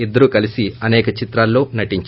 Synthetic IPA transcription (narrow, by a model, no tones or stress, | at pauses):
id̪ːɐɾukɐlisiɐnɛːkɐt͡ʃit̪ɾaːlːo̞ːnɐʈiɲt͡ʃ